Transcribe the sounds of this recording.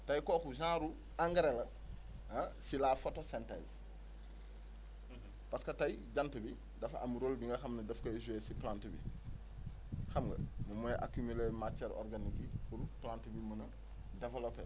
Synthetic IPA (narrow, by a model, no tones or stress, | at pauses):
tɐjkoːkus̬ãːɾu | aŋɡɐɾelɐ | asilafotosentḛz | paskɐtɐjiɟantɐbi | dɐfa̰muɾoːlbiŋɡɐxɐmnɐdɐfkɐsuesiplãːntibḭ | xɐmɡɐ̰mumuʔa̰kumilemat͡ʃeɾo̰ɾɡanikibuɾplãːntibimɐnɐ | developḛ